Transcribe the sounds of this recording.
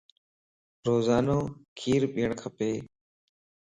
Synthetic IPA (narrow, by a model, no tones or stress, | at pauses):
ɾoːzaːnoːkʰiːɾɓiːəɳkʰəpeː